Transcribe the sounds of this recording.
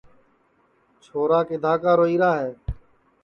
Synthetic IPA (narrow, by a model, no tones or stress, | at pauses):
t͡ʃʰoːɾaːkɪd̪ʱaːkaːɾoːiːɾaːɦeː